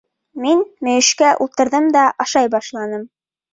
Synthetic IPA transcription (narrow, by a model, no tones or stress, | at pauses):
minmɵ̆jɘ̆ʃkæʔulˠt̪ɤ̆ɾðɤmd̪ɑʔɑʃɑjbɑʃlˠɑnɤm